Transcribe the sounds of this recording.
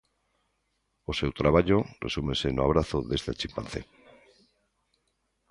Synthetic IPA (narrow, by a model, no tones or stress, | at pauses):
ose̞wt̪ɾaβaʎoresumesenoaβ̞ɾaθoðest̪at͡ʃimpanθe